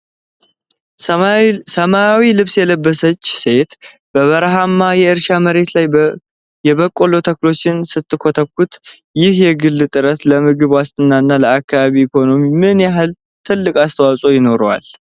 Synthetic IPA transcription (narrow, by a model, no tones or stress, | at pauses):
səmaawilɨβsjɛləbːəsət͡ʃːse̞t̪ | b̥əβəɾɦamːajɛɨɾʃaməɾe̞t̪laj | jɛβəkʼːolo̞t̪ʰəklo̞t͡ʃːɪnsɨt̪ʰːɨkʰot̪ʰəkːut̪ | jɪhjɛɡɨlːɨt̪ʼɨɾət̪ləmɨɡɨβwast̪ʰʼɨnːanːaləakːaβaβiːkʰo̞no̞mimɨnjaɦɨl | t̪ʰɨlːɨkʼast̪ʰəwasʼojɪno̞ɾwa̰l